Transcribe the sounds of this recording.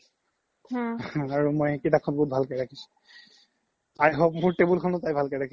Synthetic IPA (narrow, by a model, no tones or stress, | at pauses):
aɹumojkitakʰɔnbɔut̚bʱalkɛjɹakʰisʊ̥̃ | ajɦɔp̚muɹtebulkʰɔnʊtajbʱalkɛjɹakʰi